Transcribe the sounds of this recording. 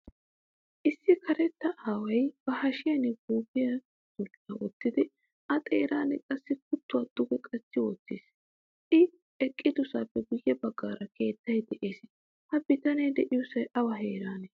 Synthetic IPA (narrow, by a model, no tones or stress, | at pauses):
ʔɪsːɪkʰɐɾɛt̪ːɐʔaːwɐjb̥ɐhɐʃɪjɐnɛɡuːbɪjɐ | sʊt͡ʃʼːɐwɔtːɪd̪ɪ | ʔɐt̪ʼeːɾaːnɛkʼɐsːɪk̚ʊt̪ːʊwaːd̪̥ʊɡɛkʼɐsːɪwɔt͡sːḛːs | ʔɪ | ɛkʼːɪd̪ʊsaːpːɛɡʊjːɛbɐɡːaːɾɐkʰe̞ːt̪ːɐjd̪ɛʔeːs | hɐbɪt̪ɐnɛjd̪ɛʔɪjʊsɐjʔɐwɐɦeːɾaːnɛ